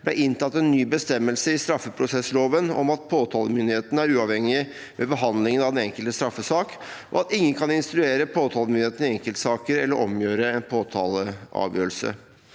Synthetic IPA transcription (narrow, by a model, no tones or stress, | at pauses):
b̥lɛ̰ʔɪnt̪ɑt̪ːɛnːyːbəst̪ɛmːəlsəɪst̪ɾɑfːəpʰɾʊsɛsːloːʋənɔ̰mɑt̪̚pʰoːt̪ʰɑːləmʏnd̪ɪheːt̪ən̩æɾʉːɑʋhɛŋːɪ | mʔɛbəɦɑnd̪lɪŋənɑʋd̪ɛnɛŋkəlt̪əst̪ɾɑfːəsɑːkʔɔ̰ɑt̪ɪŋːənkʰɑnɪnst̪ɾʉeːɾəpʰoːt̪ʰɑːlmʏnɪheːt̪ən̩ɪɛŋkəlt̪sɑːkəɾɛlːəɾʔɔmjøːɾəɛnpʰoːt̪ʰɑ̰ːləɑ̰ːʋjø̰ːɾəlsə̰